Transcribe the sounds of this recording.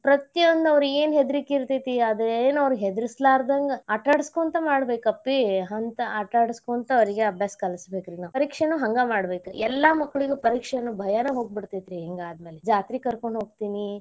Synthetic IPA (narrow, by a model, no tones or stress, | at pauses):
pɾɐt̪jɐʋɐnd̪ɐʋɾueːnɦed̪iɾikeːɾt̪it̪iɐd̪ɾeeːnɐʋɾɡɦed̪iɾislaːɾd̪ɐŋɡɐːʈaːɖskuɐnt̪ɐmaːɽbeːkɐpːiɦɐnt̪ɐɐʈaːɽiskuːnt̪ɐʋɐɾiɡeɐbʱjaːskɐlɐsbeːkɾinaːʋupɐɾiːkʂenuɦɐŋɡamaːɽbeːkuɛlːamɐkːɐɭiɡepɐɾiːkʂɐɐnːubʱɐjanɐɦoːɡ̚biɽt̪it̪ɾieŋɡaːd̪me̞ːled͡ʒaːt̪ɾikɐɾko̞ɳɖɦo̞ːɡ̚t̪iːni